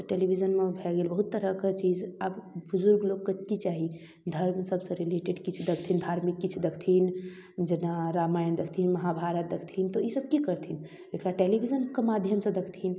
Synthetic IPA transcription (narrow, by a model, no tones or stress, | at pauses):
t̪əʈelibʱid͡ʒənmẽbʱɛɡeːlbəɦut̪ːəɾəkət͡ʃid͡ʒabbuzuɾɡloɡ̚kət̪kit͡ʃaɦi | d̪ʱəɾmsəbsə̃ɾileʈeɖkit͡ʃʰd̪ekʰt̪ʰind̪ʱaːɾmikːit͡ʃʰud̪ekʰt̪ʰin | d͡ʒenaɾaːmaːjənd̪ekʰt̪ʰinməɦabʱaɾət̪̚d̪ekʰt̪ʰint̪oisəb̚kikəɾt̪ʰin | bekʰɾaʈeːlibʱid͡ʒənkemad̪ʱjəmsə̃d̪ekʰt̪ʰin